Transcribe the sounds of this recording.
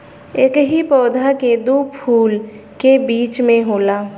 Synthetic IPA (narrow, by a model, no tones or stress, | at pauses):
ekɦipɔːd̪ʱaked̪oːpʰuːl | kebiːt͡ʃmẽɦoːlaː